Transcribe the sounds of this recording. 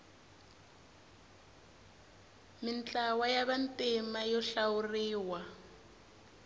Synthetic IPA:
mint͡ɬawajaβantimajɔɬawuriːwa

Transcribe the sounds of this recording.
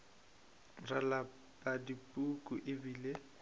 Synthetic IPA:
rala | pʼadipʼukʼuʔɪbiːle

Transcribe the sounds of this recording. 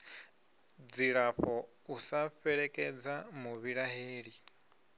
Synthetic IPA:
d͡ziɺaɸɔ | usaɸɛɺɛkʼɛd͡zamuβiɺaɦeːɺi

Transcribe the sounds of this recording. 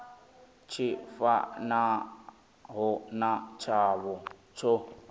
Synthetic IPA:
t͡ʃʰɪfa̰na | ɦʊnat͡ʃʰaβʊ | t͡sʰo

